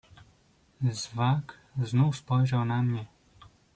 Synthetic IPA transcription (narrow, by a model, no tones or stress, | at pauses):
zvak | znufspɔjʒawnamɲɛ